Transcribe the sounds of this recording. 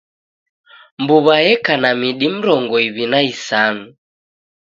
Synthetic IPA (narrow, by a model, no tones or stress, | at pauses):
mbuβajɛkanamiɗim̩ɾɔŋɡɔiβinaisanu